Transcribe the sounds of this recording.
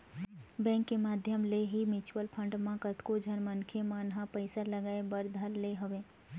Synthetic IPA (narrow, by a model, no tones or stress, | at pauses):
bɛ̃ːŋkːemaːd̪ʱjəmleɦimɪt͡ʃwəlpʰə̃ɳɖmãkət̪kod͡ʒʱənmənkʰemãnɦãpəɪsaləɡaːebəɾd̪ʱəɾleɦoʋẽː